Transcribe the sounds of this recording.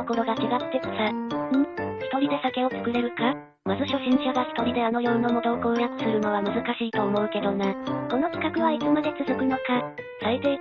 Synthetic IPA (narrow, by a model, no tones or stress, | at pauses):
oko̞ɾo̞ɡat͡ɕiɡat̪ːe̞ksaɯ̟̃çi̥t̪o̞ɾʲid̪e̞sake̞o̞t͡sɨ̥kɯ̟ɾe̞ɾɯ̟ka | mazɨɕo̞ɕĩɲ̟t͡ɕiaβaçʲi̥t̪o̞ɾʲid̪e̞ano̞jo̞ːnːo̞mo̞t̪o̞ːkoɯjat͡sɯ̥sɨɾɯ̟no̞βamɯ̟zɨkaɕiːt̪o̞ːmo̞ɯ̟ke̞d̪o̞nako̞no̞t͡ɕi̥kakɯ̟βait͡sɨmad̪e̞t͡sɨzɨkɯ̟no̞kasaet̪e